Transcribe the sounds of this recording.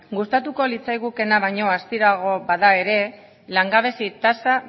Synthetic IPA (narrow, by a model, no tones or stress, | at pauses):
ɡust̪at̪uko̞lit͡sajɣuke̞naβajɲo̞ast̪iɾaɣ̞o̞βaðae̞ɾe̞ | laŋɡaβ̞e̞sit̪asa